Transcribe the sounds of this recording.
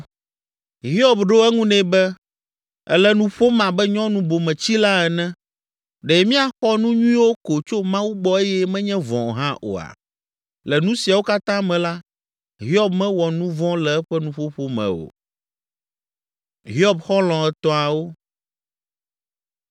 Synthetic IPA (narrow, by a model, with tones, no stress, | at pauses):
ɦi˦ɔ˦bɖo˦ɛ˦ŋũ˦nɛ̃˨bɛ˦ | ɛ̰˦lɛ˦nũ˦ɸo˦mã˨bɛ˦ɲɔ̃˦nũ˨bo˨mɛ̃˨t͡ɕi˦la˦ɛ˨nɛ̃˦ | ɖɛ˨mĩ˦a˨xɔ˦nũ˦ɲũ˦ĩ˦wo˦ko˨t͡ʃo˦mã˦wu˦ɡ͡bɔ˦e˦jɛ˦mɛ̃˦ɲɛ̃˦vɔ̰̃˨ɦã˦ʔo̰˨a̰˨ | lɛ˨nũ˦si˨a˨wo˦ka˦t̪ã˦mɛ̃˨la˦ | ɦi˦ɔ˦bmɛ̃˦wɔ˨nũ˦vɔ̃˦lɛ˨ɛ˦ɸɛ˦nũ˦ɸo˦ɸo˦mɛ̰̃˨o̰˨ | ɦi˦ɔ˦bxɔ˦lɔ̃˨ɛ˨t̪ɔ̃˦a˨wo˦